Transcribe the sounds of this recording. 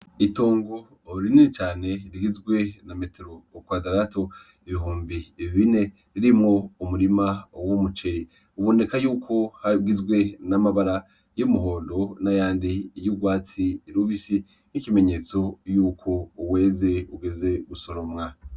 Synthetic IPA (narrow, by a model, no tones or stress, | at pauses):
ito̞ːŋɡo̞ | ɾininit͡ʃaːne̞ɾiɡizɡwe̞name̞teɾo̞kwazaɾato̞ | iβiɦuːmbiβiβine̞ | ɾiɾimŋo̞umuɾimawomut͡ʃeɾi | uβo̞ne̞kajuːkʰo̞haɡizɡwe̞namaβaɾa | jomuɦo̞ːndo̞najaːndijuɡwaːt͡siːɾuβisi | nicime̞ɲe̞ːt͡so̞juːkʰo̞uwe̞ːze̞uɡe̞ze̞ɡuso̞ɾomŋa